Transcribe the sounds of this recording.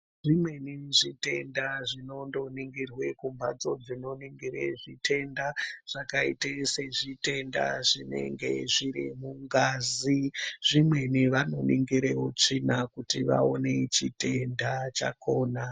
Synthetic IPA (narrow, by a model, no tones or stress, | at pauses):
ʐimweniʐite̞ndaʐino̞ndo̞niŋɡirwe̞kumbad͡zo̞d͡zino̞niŋɡiɾeʐitʰe̞ndaʐ̥akaiteseʐite̞nda̰ʐine̞̰ŋɡe̞̰ʐiɾimuŋɡaːziʐ̥imwe̞niʋano̞niŋɡiɾeot͡ʂinakutiʋa̰one̞t͡ʃite̞ndat͡ʃa̰ko̞ːna